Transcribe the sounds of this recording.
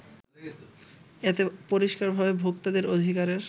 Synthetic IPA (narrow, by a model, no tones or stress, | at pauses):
et̪epoɾiʃkaɾbʱabebʱok̚t̪ad̪eɾod̪ʱikaɾeɾ